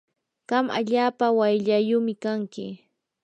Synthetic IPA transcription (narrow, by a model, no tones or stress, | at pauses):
ɢ̥ɑma̰ʎaːpawajʎajʊmɪkaŋkɪ̰